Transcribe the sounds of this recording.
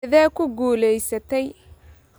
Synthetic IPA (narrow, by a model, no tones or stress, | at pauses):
ðɛːkʰʊɡuːlɛjsɐt̪ʰɛj